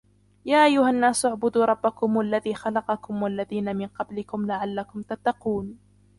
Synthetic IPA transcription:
jaːʔajːʊhanːaːsʔaʕbʊd̪uːɾˤɑbːakʊmwalːaðiːxɑlɑqɑkʊmwalːaðiːnamɪnqɑblɪkʊmlaʕalːakʊmt̪at̪ːɑquːn

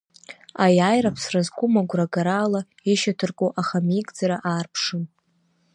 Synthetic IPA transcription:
ajajrapʰsrazkʷʊmaɡʷraɡaɾaːla | iʃatʰɨrkʼoʔaχamikʼd͡zaɾaʔaːrpʰʂɨm

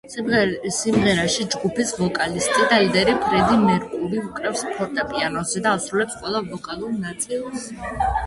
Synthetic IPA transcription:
simʁɛɾaʃid͡ʒɡupisvɔkʼalist̪ʼid̪aid̪ɛɾipʰɾɛd̪imɛɾkʼuɾiukʼɾɛfspʰɔɾt̪ʼapʼianɔzɛd̪aːsɾulɛpsqʼwɛlˠavɔkʼalˠuɾnat̪sʼilˠs

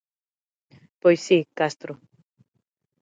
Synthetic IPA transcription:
pojsikast̪ɾo

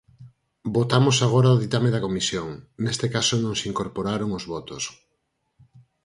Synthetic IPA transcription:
bot̪amosaɣ̞oɾaoðit̪ameðɐkomisjoŋnest̪ekasonõŋsiŋkoɾpoɾaɾoŋozβɔt̪oʊs

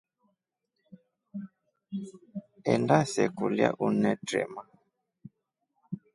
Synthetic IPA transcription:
ɛndasɛkulja̰ʔunɛtɾɛ̰ma

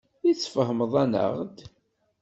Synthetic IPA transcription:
it͡sːfəɦməðˤænə̰ʁd̪

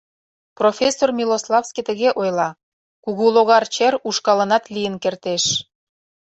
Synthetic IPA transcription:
profʲesːormʲiloslˠɑfskit̪ə̆ɣeʔojlɑ | kuɣuloɣɑrt͡ɕeruʃkɑlə̆nɑt̪lijənkert̪eʃ

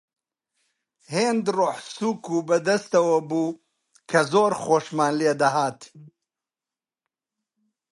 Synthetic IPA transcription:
heːnd̪roħsuːkubɐd̪ɐst̪ɐwɐbuː | kʰɐzoːɾxoːʃmaːnled̪ɐɦaːt̪

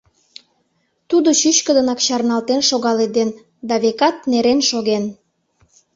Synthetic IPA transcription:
t̪ud̪ot͡ɕyɕkəd̪ənɑkɕɑrnɑlt̪enʃoɣɑled̪en | d̪ɑβekɑt̪̚neɾenʃoɣen

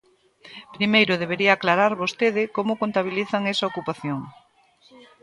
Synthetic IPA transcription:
pɾimejɾʊðeβeɾiɐːklaɾaɾβost̪eð̞ɪkomʊkont̪aβ̞iliθɐŋɛsɐokupaθjoŋ

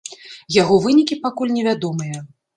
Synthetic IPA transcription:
jaɣɔvɨnʲikʲipakulʲnʲɛvʲad̪ɔmɨjɐ

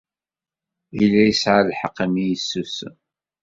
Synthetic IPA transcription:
ilːæjəsʕalħəqːəmijəsːus

